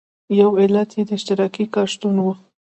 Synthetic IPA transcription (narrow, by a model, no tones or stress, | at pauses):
jawɪlat̪ʰjed̪əɪʃt̪ɪɾɑkikɑʃt̪unwu